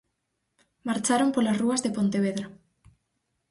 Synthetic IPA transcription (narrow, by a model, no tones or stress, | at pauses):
maɾt͡ʃaɾompolasruɐzðepont̪eβ̞eðɾa